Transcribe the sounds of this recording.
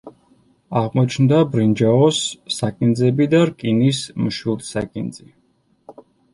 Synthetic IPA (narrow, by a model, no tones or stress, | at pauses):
aʁmɔt͡ʃʰnd̪abɾind͡ʒaɔsːakʼind̪zɛbid̪aɾkʼinismʃwilˠt̪sakʼind̪zi